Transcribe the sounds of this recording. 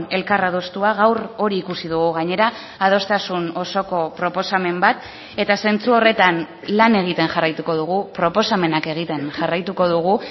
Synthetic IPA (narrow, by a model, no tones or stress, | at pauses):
e̞lkarað̞ost̪uaɣ̞awɾo̞ɾiːkusiðuɣ̞uɣaɲe̞ɾa | að̞o̞st̪asuno̞so̞ko̞pɾo̞po̞same̞mbat̪ | e̞t̪ase̞nt͡suo̞re̞t̪an | lane̞ɣ̞it̪e̞nʝarajt̪uko̞ðuɣupɾo̞po̞same̞nake̞ɣ̞it̪e̞nʝarajt̪uko̞ðuɣ̞u